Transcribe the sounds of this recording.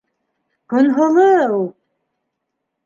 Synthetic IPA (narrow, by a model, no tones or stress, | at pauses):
kɵ̆nɦɤ̆lˠɤulˠ